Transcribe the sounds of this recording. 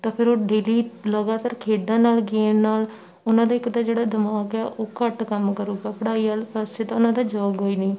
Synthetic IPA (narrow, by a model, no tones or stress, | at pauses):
t̪ãːpʰɪɾoːɖeːliːləɡaːt̪aːɾkʰeːɖãːnaːlɡeːmnaːl | ʊnãːd̪aːɪkd̪aːd͡ʒeːɽaːd̪əmaːkɛːʔoːkəʈkəmkəɾoːɡaːpəɽaːiːaːlpəseːt̪ãːʊnãːd̪aːd͡ʒɔːɡɦoːiːniː